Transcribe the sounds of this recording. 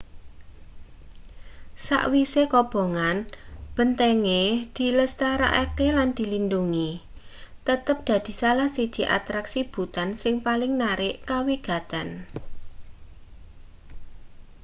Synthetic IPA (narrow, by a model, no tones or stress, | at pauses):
sa̰ʔwisekɔb̥o̤ŋanb̥ənt̪eŋed̪̥i̤ləst̪aɾa̰ʔakeland̪̥i̤linduŋi | t̪ət̪əp̚d̪̥ä̤d̪̥i̤salahsid̥ʒ̥i̤ʔa̰t̪ɾaksib̥ut̪ansɪŋpalɪŋnaɾɪʔkawiɡ̥a̤t̪an